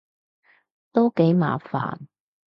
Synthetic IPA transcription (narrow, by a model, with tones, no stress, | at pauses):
t̪o˥wke˨˥jma̰ː˨fa̰ː˨˩n